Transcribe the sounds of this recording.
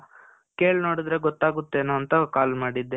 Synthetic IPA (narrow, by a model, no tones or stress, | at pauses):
keːɭno̞ːɽid̪ɾe̞ɡɔt̪ːaːɡut̪ːe̞ːnoɐnt̪ɐkaːlmaːɽid̪ːe